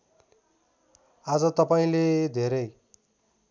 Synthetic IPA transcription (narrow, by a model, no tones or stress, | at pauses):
ad͡zʌt̪ʌpaĩled̪ʱeɾʌj